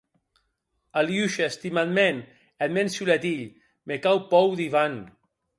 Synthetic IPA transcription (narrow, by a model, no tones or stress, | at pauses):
aljuʃest̪imalmen | ed̪mensulet̪iʎ | mekawpɔwðiβan